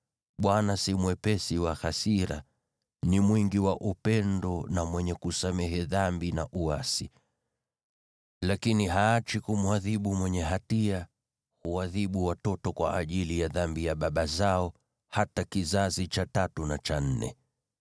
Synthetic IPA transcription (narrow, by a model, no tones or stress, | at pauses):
ɓwanasimwɛpɛsiwaxasiɾa̰ | nimwiŋɡiwaʔupɛndɔnamwɛɲɛkusamɛɦɛðambinaʔuasi | lakiniɦaːt͡ʃikumuaðiɓumwɛɲɛɦatia | huwaðiɓuwatɔtɔkwa̰ʔːʄilijaðambijaɓaɓazaɔ | hatakizazit͡ʃatatunat͡ʃan̩nɛ̰